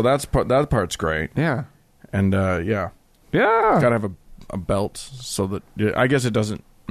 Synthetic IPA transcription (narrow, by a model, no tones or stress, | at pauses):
oʊðætspʰɑðətpʰɑɹtsɡ̥ɹeɪt̚jæ | ɨ̃nʌjæ | jæɡãɪnɨɨvɨʔə̰bɛlˠtsoʊðət̚ɪʔa̰ɪɡɛs̬ɨt̚d̥ʌzɨ̃nt